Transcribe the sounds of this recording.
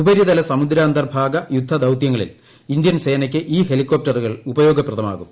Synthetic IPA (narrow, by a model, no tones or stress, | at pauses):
ubɐɾjiðɐlɐsɐmud̪ɾaːnd̪ɐrbʱaːɡɐjud̪ʱːɐd̪ɐwt̪jɐŋːɐɭḭl | ind̪jɐnse̞ːnɐk̬ʲːɨʔiːɦelikːoːp̚ʈɐruɣɐɭubɐjo̞ːɡɐpːrɐðɐma̰ːɣum